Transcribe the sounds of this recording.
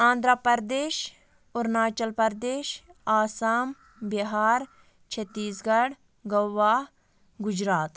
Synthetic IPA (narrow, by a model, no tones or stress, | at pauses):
ãːnd̪ʱɾapɐɾd̪eːʃ | ʊɾnaːt͡ʃɐlpɐɾd̪eːʃaːsaːm | biɦaːɾ | t͡ʃʰet̪ːiːsɡɐɽ | ɡɐwʋːaː | ɡʊd͡ʒɾaːt̪